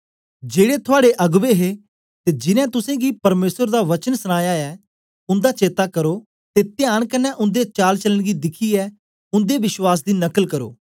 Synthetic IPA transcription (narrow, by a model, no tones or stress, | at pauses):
d͡ʒeːɽet̪ʰʊaːɽeʔɐɡʋeɦe | t̪ed͡ʒɪnɛ̃ːt̪ʊsẽɡipɐɾmeːsəɾd̪aʋɐt͡ʃənsəɽ̃aːjaɛː | ʊ̃nd̪aːt͡ʃeːt̪akɐɾoː | t̪et̪ɪjaːɽ̃kɐnːɛʔʊ̃nd̪et͡ʃaːlt͡ʃələɽ̃ɡid̪ɪkʰiɛː | ʊ̃nd̪eʋɪʃwaːs̬d̪iːnɐkəlkɐɾo̰ː